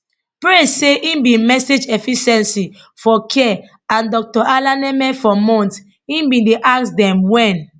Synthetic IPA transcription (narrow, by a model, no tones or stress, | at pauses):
pɹeseʔĩnbĩnmɛsed͡ʒɛfiʃɛ̃nsi | fɔkʰɛ | ãndɔk̚tɔʔalanɛmɛ̃fɔmɔ̃nt | ĩnbĩndeʔaksdɛ̃mwɛ̃n